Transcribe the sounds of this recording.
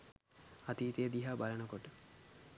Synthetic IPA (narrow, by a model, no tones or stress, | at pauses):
at̪iːt̪ejəd̪iɦaːbalənəkoʈə